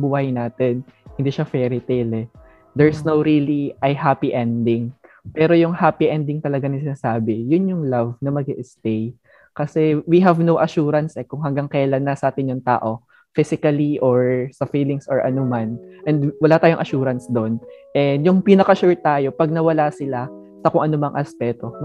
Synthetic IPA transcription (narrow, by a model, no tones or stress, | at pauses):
buhajnaːt̪ɛnhɪnd̪iːʃafɛɾɪt̪ejlɛ | d̪ɛɹsnowɾiliʔɐjɦapiʔɛnd̪ɪŋpɛːɾo̞jʊŋhaːpiʔɛnd̪ɪŋt̪ɐlɐɡanɐŋsɪnasaːbɛjʊnjʊŋlavnɐmɐɡiʔɪst̪ej | kɐsɛwiɦɐvnowʔɐʃuːɾɐnsʔɛkʊŋɦɐŋɡaŋkɛjlanːɐsɐʔaːt̪ɪnjʊŋt̪a̰ːʔo̞ | fɪsɪkɐliʔoɹsɐfiːlɪŋsɔɹʔɐ̰nomanʔɛnd̪wɐlat̪aːjoŋʔɐʃuːɾɐnsd̪o̞nʔɛd̪jʊŋpinɐkɐʃuɹ̚t̪aːjo̞pɐɡ̚nɐwɐlasɪla | sɐkʊŋʔɐnomɐŋʔɐspɛt̪o̞n